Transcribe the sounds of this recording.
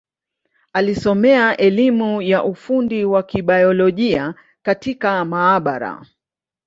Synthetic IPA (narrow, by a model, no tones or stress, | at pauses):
alisɔmɛaʔɛlimujaʔufundiwakiɓajɔlɔʄia | katikamaːɓaɾa̰